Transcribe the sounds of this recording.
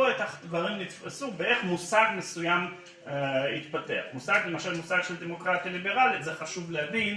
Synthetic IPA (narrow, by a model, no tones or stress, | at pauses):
oetaχd̪vaʁimnitfasubeʔe̞χmusaɡmesujam | it̪pate̞a̰χmusaɡlemaʃalmusaɡʃeld̪emo̞kʁat̪ijalibe̞ʁalizeχaʃuvlehavin